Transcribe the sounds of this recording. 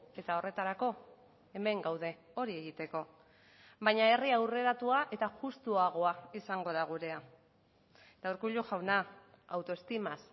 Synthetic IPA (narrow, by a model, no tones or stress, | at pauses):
e̞t̪ao̞re̞t̪aɾako̞ | e̞me̞ŋɡawð̞e̞ | o̞ɾie̞ɣit̪e̞ko̞ | βajɲaeriawre̞ɾat̪uaʔe̞t̪aʝust̪uaɣ̞o̞aisaŋɡo̞ðaɣ̞uɾe̞a | d̪̥awɾkuʎuʝawna | awt̪o̞est̪imas